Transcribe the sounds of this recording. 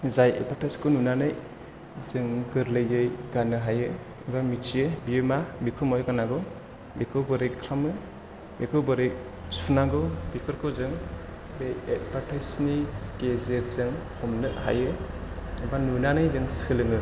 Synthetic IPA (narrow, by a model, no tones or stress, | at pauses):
zajḛpʰaɾtʰajskʰɯnunanɯj | zɯŋɡɯɾlɯjɯjɡanɯɦajɯ | bamit͡ʃʰiɯbijemabikʰɯmɔjɡanaɡɔ | bikʰɯbɯɾekʰɾamɯ | bikʰɯbɔɾek̚ | sunaɡɔbikʰɯɾkʰɯzɯŋ | bejet̚baɾtʰajsnikezeɾzɯŋkʰɔmnɯha̰jɯ | ebanunanɯjzɯŋsɯlɯŋɯ